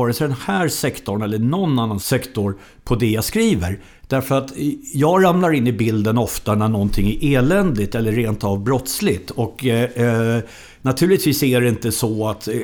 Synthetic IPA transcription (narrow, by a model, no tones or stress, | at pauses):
ɑɾəsd̪ɛnhæːɾsɛkt̪ɔnɛlːəɳɔnːanːansɛkt̪ɔɾ | pʰɔd̪ɛjɑskɾiːvəɾ | d̪̥æɾfœɾat̪jɑːɡɾamlaɾɪnːɪbɪld̪ənɔft̪anæɳɔnt̪ʰɪŋːæɾʔeːlɛnd̪ɪt̪ɛlːəːeːnt̪avbɾɔt̪slɪt̪ɔk | nat̪ʰʉ̟ːlɪt̪viːsæɖɛɪnt̪əsɔat̪